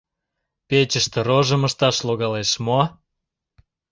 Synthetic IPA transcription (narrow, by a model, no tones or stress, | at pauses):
pet͡ɕəʃt̪ĕɾoʒəməʃt̪ɑʃloɣɑleʃmo